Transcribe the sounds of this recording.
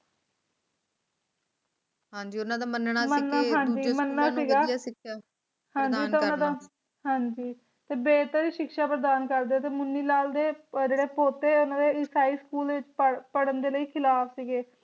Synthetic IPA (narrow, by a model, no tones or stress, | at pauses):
ɦãːd͡ʒiːʊnãːd̪aːmənnamənːaːɦãːɲd͡ʒiːmənːaːsiːɡaːkː | hãːɲd͡ʒiːeːʊnãːd̪aː | ɦãːɲd͡ʒiː | t̪eːbeːt̪əɾiːʃɪkʃaːpəɾəd̪aːnkəɾd̪eoːt̪eːmʊnːiːlaːld̪eːd͡ʒeːɽeːpoːt̪eːʊnãːd̪eːɪsaːiːskuːld̪eʋɪt͡ʃpəpəɽənd̪eːləiːkʰɪlaːpʰsiːɡeː